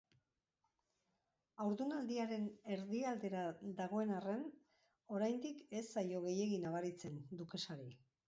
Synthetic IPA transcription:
awɾðunald̪iaɾe̞ne̞ɾðiald̪e̞ɾaðaɣ̞o̞e̞nare̞n | o̞ɾajnd̪ike̞sːajo̞ɣ̞e̞je̞ɣinaβ̞aɾit͡se̞nd̪uke̞saɾi

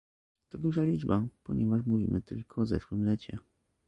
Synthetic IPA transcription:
t̪ɔd̪uʐalʲid͡ʐbapɔɲɛvaʂmuvʲḭmʔɘt̪ɘlkʰɔːzɛ̰ʂwɘmlɛt͡ɕɛ

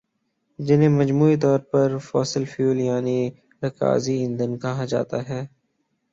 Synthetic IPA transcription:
d͡ʒɪnẽmɐd͡ʒmuːit̪̬ɔːɾpɐɾfɔːsəlfjuːljaːni | ɾɐka̰ːziɪ̃nd̪ənkɐɦad͡ʒa̰ːt̪aɦɛː

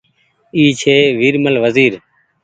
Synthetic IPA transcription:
iːt͡ʃʰeːʋiːɾməlʋəziːɾ

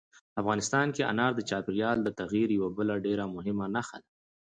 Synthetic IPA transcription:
afɣɑnɪst̪ɑnkea̰nɑɾd̪ət͡ʃɑpɪɾjɑld̪ət̪aɣjiɾjawabəlaɖeɾamʊɦɪmanaxa̰d̪a

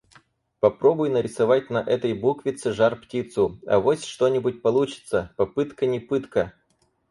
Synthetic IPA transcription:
pɐpɾo̞bʊjnəɾʲɪsɐvat̚ʲnɐʔɛt̪əjbukvʲɪt̪sɨʐarptʲit̪sʊɐ̰vosʲʂt̪o̞nʲɪbʊt̚ʲpɐlˠut͡ɕɪ̥t̪səpɐpɨt̪kənʲɪpɨt̪kə

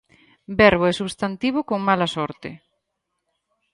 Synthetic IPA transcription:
bɛɾβoɛsuβst̪ant̪iβ̞okoŋmalasɔɾt̪e

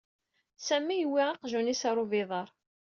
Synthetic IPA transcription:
sæmːijəwːiʁɑqʒunisɑɾˤovɪðˤəɾˤ

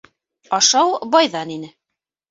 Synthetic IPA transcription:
ɑʃɑwbɑjðɑninɘ

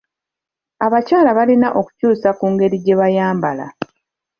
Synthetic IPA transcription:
aβacaːlaβalinaʔo̞ku̥cuːsakuːŋɡe̞ɾiɟe̞βajaːmbala̰

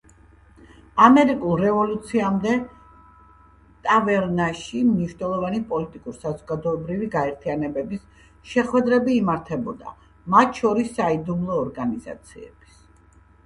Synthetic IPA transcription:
amɛɾikʼulˠɾɛvɔlut̪sʰiamd̪ɛ | t̪ʼavɛɾnaʃimniʃnɛlˠɔvanipʼɔlit̪ʼikʼuɾsazɔɡad̪ɔɛbɾiviɡaɛɾt̪ʰianɛbɛbis | ʃɛχwɛd̪ɾɛbiːmaɾt̪ʰɛbɔd̪a̰ | mat̪ʰʃɔɾisːaid̪umlˠɔːɾɡaniza̰t̪sʰiɛ̰b̥i̥s

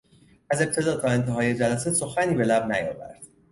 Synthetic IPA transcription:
æze̞b̥̚t̪ʰe̞d̪ɒːd̪̚ɡɒːent̪ʰeɦɒːje̞d͡ʒælæseso̞xæniːbe̞læbnæjɒ̰ːvæ̰ɾd̪̥

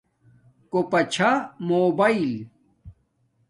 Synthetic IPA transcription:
kopɐt͡ɕʰamoːbɐil

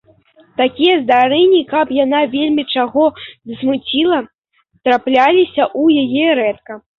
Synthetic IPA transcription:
t̪akʲijɐzd̪aɾɛnʲːikɐpjanavʲelʲmʲit͡ʂaɣɔzɐsmut͡sʲilˠɐ | t̪ɾaplʲalʲisʲɐʔujajɛɾɛt̪̚kɐ

